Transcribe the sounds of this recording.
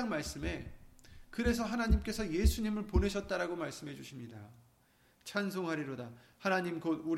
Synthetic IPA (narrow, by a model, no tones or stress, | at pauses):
ŋmaɭs͈ɯme̞ | kɯɾe̞sʰʌɦanaɲimk͈e̞sʰʌje̞sʰuɲimɯɭpone̞ɕʰʌt̚t͈aɾaɡomaɭs͈ɯmɦe̞d͡ʑuɕʰimɲida̰ | t͡ɕʰans̬ʰoŋɦaɾiɾodahanaɲimɡodu